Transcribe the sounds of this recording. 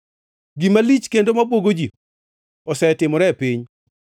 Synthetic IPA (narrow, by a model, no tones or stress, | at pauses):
ɡimalit͡ʃkendomabwoɡod͡ʒi | ɔsɛtɪmɔɾɛpiɲ